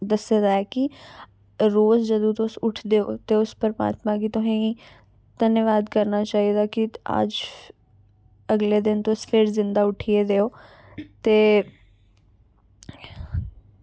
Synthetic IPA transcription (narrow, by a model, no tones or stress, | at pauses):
d̪əsːed̪aːɛːkɪ | ɾoːzd͡ʒəd̪õːt̪õʊsʊʈʰd̪eːo̰ːt̪eːʊspəɾma̰ːt̪mãːɡiːt̪ʊɦãi | t̪ənjəʋaːd̪kəɾnaːt͡ʃaːiːd̪aːkɪə̰d͡ʒ | əɡleːd̪ɪnt̪ospʰɪɾzɪ̃nd̪aːʊʈʰieːd̪eːoː | t̪eː